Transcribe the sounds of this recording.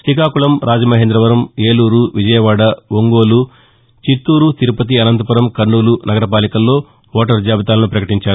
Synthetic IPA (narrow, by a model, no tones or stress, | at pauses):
ʃɾikaːkulɐmɾʔaːd͡ʒɐmɐɦeːnd̪ɾɐʋɐɾɐmeːluːɾuʋid͡ʒɐjɐʋaːɽɐʋoŋɡo̞ːlu | t͡ʃit̪ːuːɾut̪iɾupɐt̪̬iɐnɐnt̪ɐpɐɾɐmkɐɾɳuːlunɐɡɐɾɐpaːlikɐlːo̞ː | ʋɔːʈ̬ɐɾd͡ʒaːbɐt̪aːlɐnupɾɐkɐʈiɲt͡ʃaːɾu